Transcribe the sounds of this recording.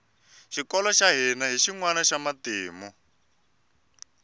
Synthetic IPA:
ʃikɔlɔʃaɦɛnaɦiʃiŋwanaʃamateːmɔ

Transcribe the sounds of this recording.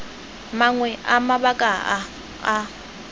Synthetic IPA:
maŋwɛʔamabakʼaaː

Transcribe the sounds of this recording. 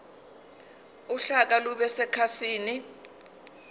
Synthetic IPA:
uɬak̬aluɓɛsɛkʰasiːni

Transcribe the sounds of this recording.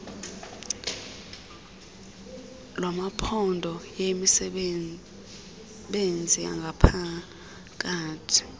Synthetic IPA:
lwamapʰɔndʱɔjemisɛ | ɓend͡zʱia̰ŋɡʱapʰa | k̬ʼaːtʰi̥

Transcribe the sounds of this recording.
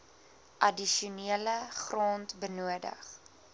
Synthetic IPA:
ʔɐdiʃuniələχroːntbənuədə̰χ

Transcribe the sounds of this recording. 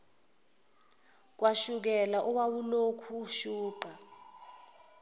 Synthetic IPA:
k̬waʃuk̬ɛlaʔuwawulokʰuʃuːǃa

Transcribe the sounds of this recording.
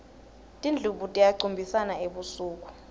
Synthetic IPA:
tʼind͡ɮʱuɓutʼijaǀumbʱisanaeɓusuːk̬ʼu̥

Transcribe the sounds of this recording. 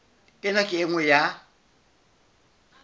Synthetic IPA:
enãkieŋʷẽja

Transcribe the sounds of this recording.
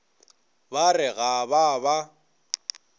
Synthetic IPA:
barɪɣababa

